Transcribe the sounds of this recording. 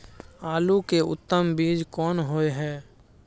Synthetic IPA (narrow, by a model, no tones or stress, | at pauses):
aːlukeʊ̰t̪ːəmbiːd͡ʒkɔːnɦoːeɦɛː